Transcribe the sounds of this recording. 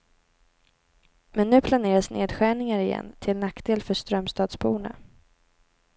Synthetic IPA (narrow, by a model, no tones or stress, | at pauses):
mɛnːʉ̟ːpʰlaneːɾasnʔḛːd̪ɧæːɳɪŋaɾɪjɛ̰nːt̪ʰɪlnakd̪eːlfœʂt̪ɾœmst̪ɑːd̪sbuːɳa̰